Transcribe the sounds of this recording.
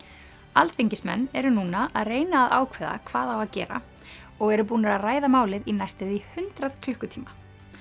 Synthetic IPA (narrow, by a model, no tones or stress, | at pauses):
alt̪θejɲcɪsmɛ̰nːɛɾʏnuːnaʔaðreːjnaːða̰ːwkʰvɛːða̰kʰvaːðawvaðcɛ̰ːɾa̰ | ɔɣɛɾʏp̬uːnaɾaðraːjðamaːwlɪðinajst̪ɪðihʏnt̪ɾaðkʰlʏhkʏt̪ʰiːma